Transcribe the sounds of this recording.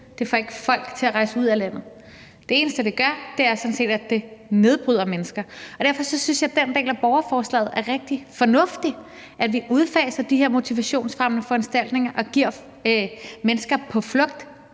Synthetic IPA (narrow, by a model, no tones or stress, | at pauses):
d̥e̝fɒ̽e̝ɡ̥əfɒ̽l̰ɡ̥t͡sʰe̝æʁɑ̈ɪsəuð̞̰ˠælæn̰ð̞̩ˠ | d̥e̝e̝ːnəsd̥əd̥e̝ɡ̥ɶɐd̥e̝æɐsɒ̽n̩se̝̰ːd̥æd̥e̝ne̝ð̞ˠb̥ʁyð̞̰ˠɐmenəsɡ̥ɐɒd̥æɐfɒ̽sɒ̽synsjɑ̈ɪd̥end̥ḛːlæb̥ɒʊɐfɒːslɛ̰ːð̞̩ˠæɐʁeɡ̥̚d̥ifɒ̽nɔ̽fd̥i | ʔæd̥ʋiʔuð̞ˠfɛːsɐd̥iheɐ̰mo̝t͡sʰiʋæɕo̝̰ːnsfʁamnəfɒ̽ænsd̥æl̰d̥ne̝ŋɐʔɒ̽ɡ̥iɐ̰ | menəsɡ̥ɐpʰɒ̽flɔ̽ɡ̥̚d̥